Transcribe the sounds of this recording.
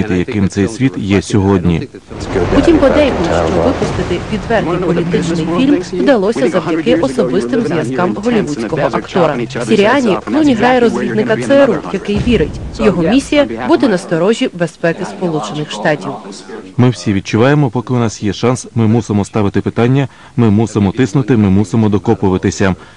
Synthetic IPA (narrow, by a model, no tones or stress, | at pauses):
it̪ɪjɐkɪmt̪sɛjsʲʋʲit̪jɛsʲɔɦɔdʲnʲḭ | putʲimpɔd̪ɛjklˠʊʃt͡ʃɔʋɪpʊst̪ɪt̪ɪʋʲid̪ʋɛrnʲijpɔlʲit̪ɪt͡ʃnɪjfʲilʲmvd̪ɐlˠɔsʲɐzɐwdʲɐkɪʔɔsɔbɪst̪ɪmzʋjɐzkɑmɦɔlʲiʋudt͡sʲkɔɦɔʔɐkt̪ɔɾɐsʲiɾʲiɑnʲiklˠunʲiɦɾɑjɛɾɔzʲʋʲid̪nɪkɐt̪sɛeɾujɐkɪjʋʲiɾɪtʲjɔɦɔmʲisʲijɐbud̪ɛnɐst̪ɔɾɔʒʲibespɛkɪspɔlˠut͡ʃenɪxʃt̪ɑtʲiwmɪwsʲiʋʲid̪̚t͡ʃʊʋɑjemɔpɔkɪʊnɑsjɛʃɑnsmɪmusɪmɔst̪ɑʋɪt̪ɪpɪt̪ɑnʲːɐ | mɪmusɪmɔt̪ɪsnʊt̪ɪmɪmusɪmɔd̪ɔkɔpʊʋɪt̪ɪsʲɐ